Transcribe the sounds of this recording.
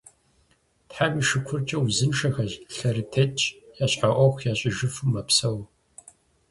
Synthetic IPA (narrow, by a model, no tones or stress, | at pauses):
tħamʷiːʂɨkʷʰʊrt͡ʃʼɐwuzɨnʂɐxɐʑɬɐɾitʰeːtt͡ʃʼjaːɕʼħaʔʷɔxʷjaːɕʼɪʒɨfɨmːɐpsɐw